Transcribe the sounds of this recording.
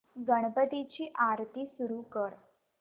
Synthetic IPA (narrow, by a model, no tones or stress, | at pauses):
ɡəɳ̃pəd̪it͡ɕiːʔaɾt̪iːsuɾukəɾ